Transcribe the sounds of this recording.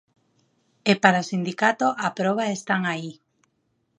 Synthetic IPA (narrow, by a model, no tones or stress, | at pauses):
epaɾaosind̪ikat̪oʔapɾɔβ̞aest̪aŋai